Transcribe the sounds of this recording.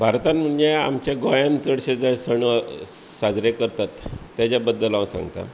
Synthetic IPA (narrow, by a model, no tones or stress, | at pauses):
bʱaɾt̪anm̤ənjea̰mt͡ɕjaɡojãnt͡səɽɕed͡zaɽsəɳə | sad͡zɾekəɾt̪at̪ː | jat͡ɕabəd̪ːəlãwsã̰ŋɡt̪a̰